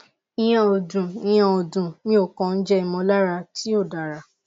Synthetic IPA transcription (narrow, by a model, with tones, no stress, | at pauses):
ĩ˦j̃ã˨o˨dũ˨ĩ˦˧j̃ã˧o˨dũ˨nĩ˧˦o˦˨kɔ̃˨n̩˦d͡ʒɛ˦i˨mɔ̃˧˦la˦ɾa˧ti˦o˦˨da˨ɾa˨